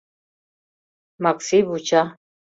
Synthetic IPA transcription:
maksiβut͡ʃʰa

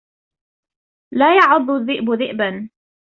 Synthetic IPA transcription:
laːjɑʕʊd̪ˤːʊðːɪʔbʊðɪʔban

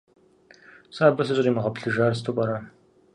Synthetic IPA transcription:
saːbɐs̬ɨɕʼɐriːmɐʁɐpɬɨʒaːrstʰopʼɐɾa

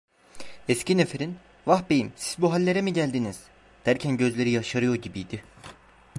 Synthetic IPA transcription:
ɛscinefeɾin | vahbe̞jimsi̥zbuɦalʲːe̞ɾemiɟælʲd̪iniz̥ | d̪̥æɾcʰænɟø̞zlʲe̞ɾijaʃaɾɯjo̞ɾɟibijd̪ɪ

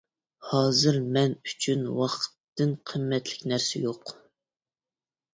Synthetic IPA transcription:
hɑːzɨɾmɛnyt͡ʃʰynwɑχt̪ːɨnqʰəmːɛt̪lɪ̥kʲnæɾsɪ̰joq

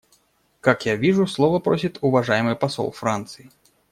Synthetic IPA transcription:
kakjavʲiʐuslˠɔvɐpɾɔsʲit̪ʲuvaʐajmɨpasɔ̰lˠfɾant̪sɨji

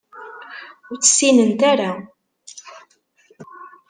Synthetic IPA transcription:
ʊɾt͡sːə̥sːinənt̪æɾa

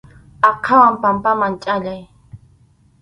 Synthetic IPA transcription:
aqʰawampampamaŋt͡ʃʼaʎaj

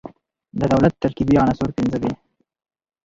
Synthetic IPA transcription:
d̪əd̪awlat̪ːaɾkibiɑnasoɾpɪnzəbe

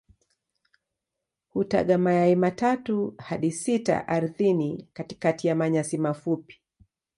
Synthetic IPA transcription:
huta̰ɠamajaimatatuhaɗisita̰ʔaɾuθinikati̥katijamaɲasimafupi̥

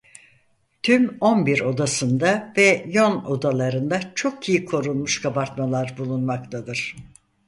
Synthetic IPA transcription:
t̪ʰymo̞nbiɾo̞d̪asɯnd̪avɛjo̞no̞d̪alˠaɾɯnd̪at͡ʃʰo̞kijikʰo̞ɾunˠmuʃkʰabaɾt̪malˠaɾbulˠunmak̚t̪ʰad̪ɯɾ̥

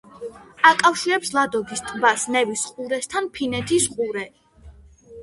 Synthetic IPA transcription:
akʼafʃiɾɛpslˠad̪ɔɡist̪ʼbasnɛvisqʼuɾɛst̪ʰanpʰinɛt̪ʰisqʼuɾɛ

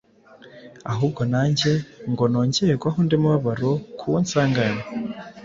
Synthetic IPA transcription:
aɦuːb̚ɡo̞naːɲɟe̞ŋɡo̞noːɲɟeeɡwaɦondemuβaβaɾokʰuwonsaːŋɡano

